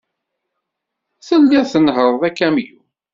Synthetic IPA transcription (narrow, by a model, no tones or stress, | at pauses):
θəlːæθənɦəɾˤðˤækːæmju